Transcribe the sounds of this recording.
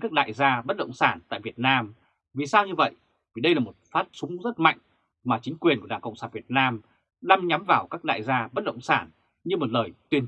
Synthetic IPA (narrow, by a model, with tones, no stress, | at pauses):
kaː˦˥k̚ɗa̰ː˧˨jzaː˧ɓə˦˥t̚ɗə̰˧˨wŋ͡msaː˧˩nt̪a̰ː˧˨jvi˨˩ət̚naː˧m | vi˨˩saː˧wɲɨ˧və̰˧˨j | vi˨˩ɗə˧jlaː˨˩mo˨˩t̚faː˦˥t̚sʊ˨˦ŋ͡mzə˦˥t̚ma̰˧˨jŋ̟ | maː˨˩t͡ɕï˨˦ŋ̟kwi˨˩ənkaː˨˩kə̰˧˨wŋ͡msaː˧˩nvi˨˩ət̚naː˧m | ɗa˧mɲa˨˦mvaː˨˩wkaː˦˥k̚ɗa̰ː˧˨jzaː˧ɓə˦˥t̚ɗə̰˧˨wŋ͡msaː˧˩n | ɲɨ˧mo˨˩t̚ləː˨˩jt̪wi˧ən